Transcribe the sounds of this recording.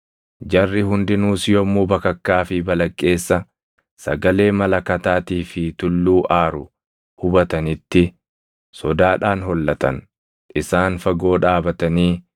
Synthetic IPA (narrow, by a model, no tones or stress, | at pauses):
d͡ʒɐrːɪhʊnd̪ɪnuːsjɔmːuːbɐkɐkːaːfɪbɐlɐkʼːe̞ːsːɐ | sɐ̰ɡɐle̞ːmɐlɐkɐt̪aːt̪iːfɪt̪ʊlːuːʔaːɾʊ | hʊbɐt̪ɐnɪt̪ːɪ | sɔd̪aːᶑaːnhɔlːɐt̪ɐ̰n | ʔɪsaːnfɐɡo̞ːᶑaːbɐt̪ɐniː